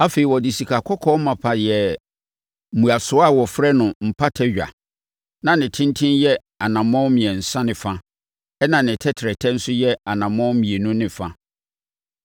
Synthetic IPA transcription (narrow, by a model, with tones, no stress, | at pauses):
a˦fe˨i˨wɔ˨di˨si˨kʰa˨kʰɔ˦kʰɔ˦mã˨pʰa˨jɛ˨ | m̩˨mũ˨a˨sʊ˨˦a˦˨wɔ˨fɾɛ˦nʊ̃˨m̩˨pʰa˦tʰɛ˦ɥᶣa̰˨ | nã˨nɪ̃˨tʰɪ̃˦n˦tʰɪ̃˦njɛ˦ | a˨nã˨mɔ̃˦mĩ˨ɛ̃˨n̩˨sã˦nɪ̃˨fã˦ | ɛ˦nã˨nɪ̃˨tʰɛ˦tʰɪ˨ɾɛ˨tʰɛ˦n̩˦sʊ˦jɛ˦a˨nã˨mɔ̃˦mĩ˨e˨nũ˦nɪ̃˨fã˦